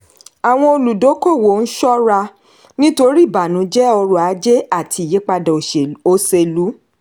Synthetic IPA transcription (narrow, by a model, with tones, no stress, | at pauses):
a˨w̃ɔ̃˧o˧lu˨do˨˦ko˦˨wo˨n̩˦ʃɔ˦ɾa˧ | nĩ˦to˧ɾi˦˨ba˨nũ˨˦d͡ʒɛ˦ɔ˧ɾɔ˨a˨˦d͡ʒe˦a˦˨tʰi˧˦˨je˨˦k͡pa˧dɔ̃˨o˧se˧lu˨˦